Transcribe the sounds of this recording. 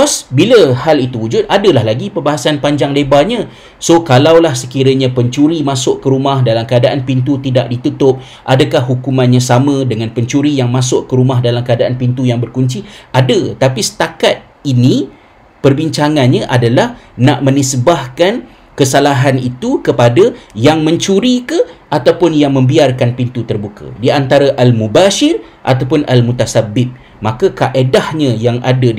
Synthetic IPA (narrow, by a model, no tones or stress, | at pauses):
ɔsbiləhalit̪uwud͡ʒʊt̪̚adəlahlaɡipərbaɦasanpaɲd͡ʒaŋdebaɲã | sokalawlahsəkiɾaɲãpəɲt͡ʃuɾimãsʊʔkəɾumahdalamkəadaʔanpint̪̬ut̪idaʔ̚dit̪ut̪ʊp̚ | ʔadəkahɦukumãnɲãsamə̃dəŋãnpəɲt͡ʃuɾijaŋmãsʊʔkəɾumahdalamkəadaʔanpint̪ujaŋbərkuɲt͡ʃiʔadət̪apisə̥t̪akat̪̚ | inĩ | pərbiɲt͡ʃaŋanɲaʔadalahnaʔmə̃nisbahkan | kəsalaɦanit̪ukəpadajaŋmə̃ɲt͡ʃuɾikəʔat̪awpʊnjaŋmə̃mbiarkanpint̪ut̪ərbuka̰diant̪aɾaʔalmubaʃɪr | ʔa̰t̪̬awpʊnalmut̪asabɪp̚ | makakaʔedahɲãjaŋa̰da